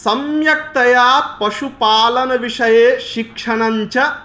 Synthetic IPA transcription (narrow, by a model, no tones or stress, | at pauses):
sɐmjɐk̚t̪ɐjaːpɐʂupaːlɐnɐʋiʂɐjeːʃikʂɐɳɐɲt͡ʃɐ